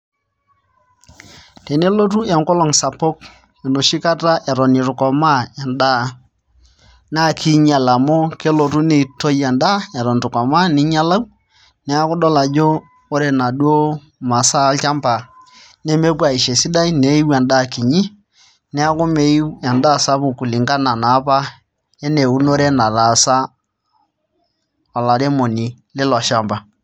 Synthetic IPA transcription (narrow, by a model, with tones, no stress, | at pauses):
te˨ne˦lo˦t̬u˦ɛ˨ŋkɔ˦lɔ˨ŋsa˨po˦k | e˨no˨ʃɪ˦ka˦ta˦ʔɛ˨ɾɔ˨nɪ˨ɾʊ˨kɔ˨ma˦ɛ˨nda˦˨ | na˦˨kʰi˦ɲa˨la˨mo˦ke˦lo˨tu˦ne˨to˦jɛ˨nda˦ɛ˨ɾɔ˨n˨ɾʊ˨kɔ˨ma˦nɪ˦ɲa˦la˦w | nɛ˦a˦kʊ˦dɔ˦la˨d͡ʒoː˦ | ɾe˦˨na˨du˦o˦ | ma˨sa˦lt͡ʃa˦mba˨ | ne˦me˦pwa˨i˨ʃe˨si˦da˦i˦ne˨˦i˦wa˨nda˦˨ki˨ɲi˦ | nɛ˦a˦kʊ˦me˦a˨nda˦˨sa˦bʊ˨ku˨li˨ŋɡa˦na˨na˨˦pa˦ | ɛ˦ne˨u˦no˦ɾe˦na˨ɾa˨sa˦ | ɔ˨la˨ɾe˦mo˨ni˨lɪ˦lɔ˨ʃa˦mba˨